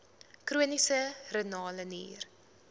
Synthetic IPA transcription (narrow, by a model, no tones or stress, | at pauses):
kruənisərənɑːlənḭːr